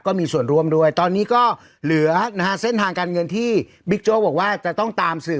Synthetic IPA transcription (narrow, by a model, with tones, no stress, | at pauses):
kɔː˥˩miː˧su˨˩ənɾu˧əmdu˧˩əjt̪ɔː˧nːiː˦˥kɔː˥˩ | lɯ˨˩˦ɐna˧ha˦˥se˥˩nt̪ʰaː˧ŋkaː˧nŋɤ˧nt̪ʰiː˥˩ | bi˦˥k̚t͡ɕoː˦˥˩bɔː˨˩k̚waː˥˩t͡ɕa˨˩t̪ɔ˥˩ŋt̪aː˧msɯː˨˩